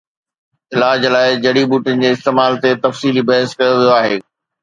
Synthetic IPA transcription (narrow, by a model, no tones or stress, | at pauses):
ɪlaːd͡ʑlaːɪd͡ʑɐɽibuːʈɪənɪ̆d͡ʑeːɪst̪eːmaːlt̪et̪ɐfsiːlibɐɦɪskɐjoʋijoaːɦeː